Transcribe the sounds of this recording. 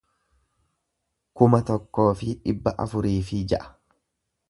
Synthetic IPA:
kʊmɐt̪ɔkːo̞ːfɪᶑɪbːɐʔɐ̰fʊɾiːfɪd͡ʒɐʔɐ̥

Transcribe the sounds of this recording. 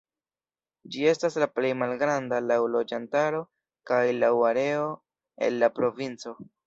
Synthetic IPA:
d͡ʒie̞staslaple̞jmalɡɾandalawlo̞d͡ʒantaɾo̞ | kajlawaɾe̞o̞ | e̞̰nːapɾo̞vint͡so̞

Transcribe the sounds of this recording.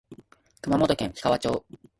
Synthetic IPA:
kɯ̟mamo̞t̪o̞kẽ̞ɰ̃çi̥kaβat͡ɕo̞ː

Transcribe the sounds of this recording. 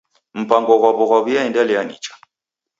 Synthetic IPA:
m̩pʼaŋɡɔɣwaβɔɣaβujaɛndalijanḭːt͡ʃʼḁ

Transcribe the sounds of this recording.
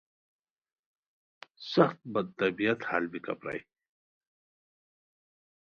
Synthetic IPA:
sɐxt̪̚bɐd̪̚t̪ɐbijɐt̪haːlbikɐ̰pɾa̰j

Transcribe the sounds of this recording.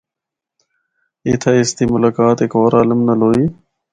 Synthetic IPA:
eːt̪ʰaːɪst̪iːmʊlaːkaːt̪ɪkoːɾaːləmnəloːiː

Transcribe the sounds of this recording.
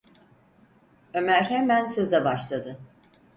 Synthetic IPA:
ø̞mæɾhemænsø̞zɛbaʃlˠad̪ɯ

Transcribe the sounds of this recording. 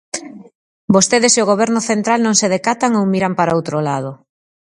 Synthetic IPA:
bost̪eðeseoɣ̞oβ̞ɛɾnʊθent̪ɾalnõŋseð̞ekat̪aŋowmiɾampaɾaowt̪ɾolað̞o

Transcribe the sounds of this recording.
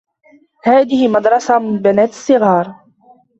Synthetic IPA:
haːðɪhɪmɑd̪ɾˤɑsamɪnbɪnaːt̪ɪ̥sˤɨɣɑːɾˤ

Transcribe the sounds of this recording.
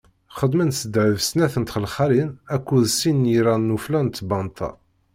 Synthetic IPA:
χəd̪mænsəd̪ʕəvsnæθənt̪χəlχæɾinækʷːuðsinːjiɾænːuflænt̪ːbɑnt̪ʰɑ̰

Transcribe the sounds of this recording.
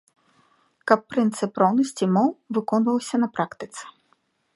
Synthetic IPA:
kɐpːɾɨnt̪sɨpɾɔwnɐsʲt͡sʲimɔwvɨkɔnvɐwsʲɐnɐpɾakt̪ɨt̪sɛ̥

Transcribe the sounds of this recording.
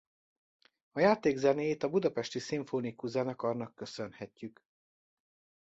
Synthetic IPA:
ɒjaːt̪eːɡzɛneːjeːt̪ɒbud̪ɒpɛʃt̪isiɱfoːnikuzaːnɒkɒrnɒkːø̞sønhɛcːyk

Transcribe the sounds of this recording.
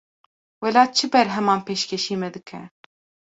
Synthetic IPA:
wɛlɑːt͡ʃʰɨbɛɾɦɛmɑːnpeːʃkʲʰɛʃiːmɛd̪ɨkʰɛ̰

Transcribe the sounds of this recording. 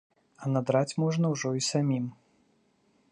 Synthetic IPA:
ɐnad̪ɾat͡sʲmɔʐnɐwʐɔisamʲim

